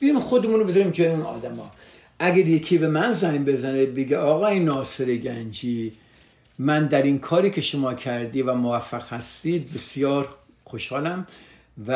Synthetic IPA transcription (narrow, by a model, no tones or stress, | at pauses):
b̥iɾimxod̪emunobezɑɾimd͡ʒɒːjunɒ̰ːd̪æmɒ̰ː | ʔæɡæɾjekʰiːbe̞mænzæjmbe̞zænebeɡeɒːɣɒːjnɒːseɾeɡænd͡ʒiː | mænd̪æɾinkʰɒːɾiːkʲʰe̞ʃomɒːkʰæɾd̪iːvæmovæfːæɣ̥hæst̪iːd̪̚besjɒːɾ | xoʃhɒːlæm | væ